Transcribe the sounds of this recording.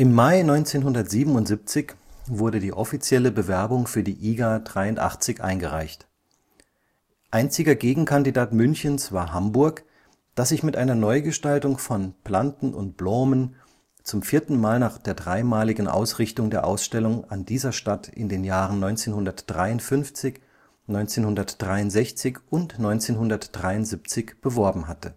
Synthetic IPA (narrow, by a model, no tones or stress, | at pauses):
ʔɪmːaɪnɔʏnt͡seːnɦʊndɐtz̥iːbm̩ʊntz̥ip̚t͡sɪçv̥ʊɐɾədiːʔɔfit͡sjɛləbəvɛɐbʊŋfyːɐdiːʔiːɡadʁaɪʊntʔa̰χt͡sɪçʔa̰ɪnɡəʁa̰ɪçt | ʔaɪnt͡sɪɡɐɡeːɡŋ̩kʰandidaːtmʏnçənsv̥aːɐɦambʊɐk | d̥asz̥ɪçmɪtʔaɪnɐnɔʏɡəʃtaltʊŋfɔnpl̥antn̩ʔʊ̰nt̚b̥lɔːmən | t͡sʊmfiːɐtn̩maːlnaːχd̥eːɐdʁaɪmaːlɪɡŋ̩ʔa̰ʊsʁ̥ɪçtʊŋdeːɐʔa̰ʊsʃtɛlʊŋandiːzɐʃtatʰʔɪ̰ndeːnjaːʁənnɔʏnt͡seːnhʊndɐtd̥ʁaɪʊntfʏnft͡sɪç | nɔʏnt͡seːnhʊndɐtd̥ʁaɪʊntz̥ɛçt͡sɪçʔʊntnɔʏnt͡seːnɦʊndɐtd̥ʁaɪʊntz̥ip̚t͡sɪçb̥əvɔɐbm̩ɦatʰə